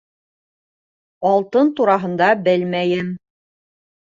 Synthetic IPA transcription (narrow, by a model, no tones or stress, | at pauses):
ɑlˠt̪ɤnt̪uɾɑɦɤ̆nd̪ɑbɘlmæjɘm